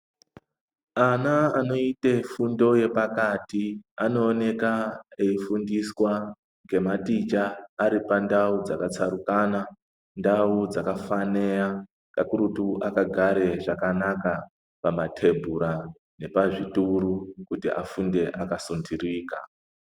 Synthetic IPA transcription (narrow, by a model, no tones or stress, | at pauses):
anaano̞itefundo̞je̞pakatiano̞ːne̞kaeifundiswa | ŋɡe̞matit͡ʃaːɾipandaud͡zakat͡saɾukaːna | ndaud͡zakafanea | kakuɾutuʔakaɡʱaɾe̞ʐakanaka | pamatʰe̞bʱuɾa | ne̞paʐituɾukutiʔa̰funde̞ʔakasondiriːka̰